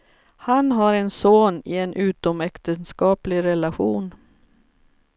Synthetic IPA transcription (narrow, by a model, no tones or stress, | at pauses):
hanɦaɾɛnsoːnɪɛnʔʉ̟ːt̪ɔmɛkt̪ənskɑːplɪɾɛlaɧuːn